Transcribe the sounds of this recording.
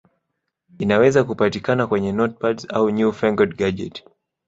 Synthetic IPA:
inawɛzakupatikanakwɛɲɛnɔt̚patsauɲufɛŋɡɔdɡad͡ʒɛ̰t

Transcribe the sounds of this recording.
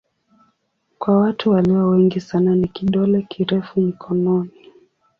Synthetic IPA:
kwawatʰuwaliwawɛŋɡisananikiɗɔlɛkʰiɾɛfum̩kʰɔnɔni

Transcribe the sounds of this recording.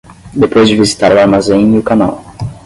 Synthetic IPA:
d̪epojzd͡ʒɪvizit̪aɾʊaɾmazẽj̃iʊkana̰w

